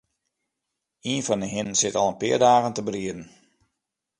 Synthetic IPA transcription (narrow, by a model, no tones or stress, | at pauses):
iənfɔnəɦɪnnsɪtɑlˠənpɪːərdaːɣəntəbəriədn̩